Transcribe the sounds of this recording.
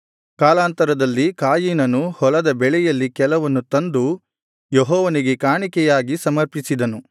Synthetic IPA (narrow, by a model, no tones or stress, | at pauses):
kaːlaːnt̪ɐɾɐd̪ɐlːikaːjiːnɐnuhɔlɐd̪ɐbɛɭɛjɐlːikɛlɐʋɐnːut̪ɐnd̪u | jeɦɔːʋɐniɡekaːɳikɛjaːɡisɐmɐɾpisid̪ɐnu